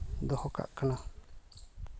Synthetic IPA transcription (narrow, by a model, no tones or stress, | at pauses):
nd̪ohoka̰ʔkanã